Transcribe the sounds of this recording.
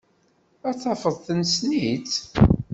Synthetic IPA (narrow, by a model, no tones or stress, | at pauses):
æθɑfəðˤθənsnit̪